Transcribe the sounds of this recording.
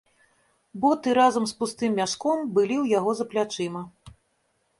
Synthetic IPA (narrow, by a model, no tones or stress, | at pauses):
bɔt̪ɨɾazɐmspust̪ɨmːʲaʂkɔmbɨlʲiwjaɣɔzɐplʲat͡ʂɨmɐ